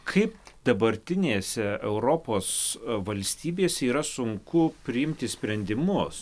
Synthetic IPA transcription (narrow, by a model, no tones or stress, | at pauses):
kʰɐɪpd̪̥ɐbɐɾʲt̪ʲɪnʲeːsʲɛɛʊɾoːpoːsʋɐlʲsʲt̪ʲiːbʲeːsʲɛiːɾɐsʊŋkʊpʲɾʲɪɪmʲt̪ʲɪsʲpʲɾʲɛnʲd̪ʲɪmʊs